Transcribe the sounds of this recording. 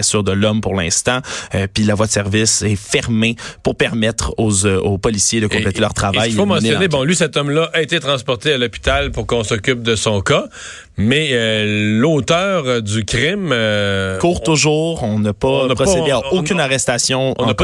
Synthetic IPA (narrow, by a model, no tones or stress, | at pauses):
asyːʁd̪əlɔmpuʁlɛ̃st̪ɑ̃pɥilavwad̪əsɛʁvɪsɛfɛʁmepuʁpɛʁmɛt̪χozopɔlisjed̪əkɔ̃plet̪elœʁt̪χavajfomɑ̃snjɔnebɔ̃lɥisɛt̪ɔmlaʔaet̪et̪ʁɑ̃spɔʁt̪ealɔpi̥t̪alpuʁkɔ̃sɔkʲyp̚d̪əsɔ̃ka | mɛølot̪œːʁd̪ykʲʁɪm | kuːʁt̪ʊʒuːʁɔ̃napapʁɔsed̪eaokʲynaʁɛst̪asjɔ̃ɔ̃np